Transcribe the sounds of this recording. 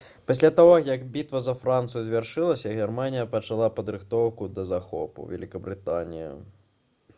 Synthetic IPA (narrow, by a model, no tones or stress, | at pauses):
pɐsʲlʲat̪aɣɔjɐkbʲit̪vɐzɐfɾant̪sɨjuzʲvʲarʂɨlˠɐsʲɐɣʲɛrmanʲijɐpɐt͡ʂalˠapɐd̪ɾɨxt̪ɔwkud̪ɐzaxɔ̰pṵvʲɛ̰lʲikɐbɾɨt̪anʲḭjḭ